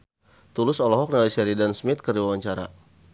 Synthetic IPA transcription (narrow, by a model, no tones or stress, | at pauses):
t̪ulʊsɔlɔɦɔk̚nalisɛɾidansmɪt̪̚kəriwawaɲt͡ʃaɾa̰